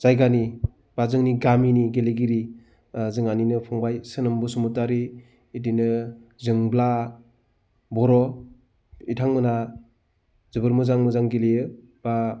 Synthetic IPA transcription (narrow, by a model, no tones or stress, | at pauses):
z̥ajɡani | b̥azɯŋniɡaminiɡeleɡiɾi | zɯŋaninɯpʰɔŋbajsɯnɯmbɯsumutaɾiː | dinɯzɯŋbla | bɔɾɔ | itʰaŋmɯna | zɯbɯɾmɯzaŋmɯzaŋɡelejɯ | b̥a